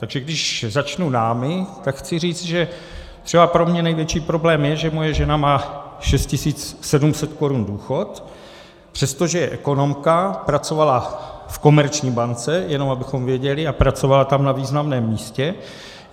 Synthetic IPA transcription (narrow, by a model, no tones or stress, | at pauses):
t̪aɡʒɛɡdɪʃzat͡ʃnunaːmɪt̪akxt͡sɪriːt͡st̪ʒɛ | t̪r̥ɛbapɾo̞mɲɛnɛjvjɛt͡ʃiːpɾo̞blɛːmjɛʒɛmo̞jɛʒɛnamaːʃɛst̪cɪsiːt͡ssɛdumsɛt̪ko̞ɾunduːxo̞t̪ | pr̥ɛst̪o̞ʒɛjɛʔɛko̞no̞mkapɾat͡sovalafko̞mɛɾt͡ʃɲiːbant͡sɛjɛno̞mabɪxo̞mvɪɛɟɛlɪapɾat͡so̞valat̪amnaviːznamnɛːmːiːscɛ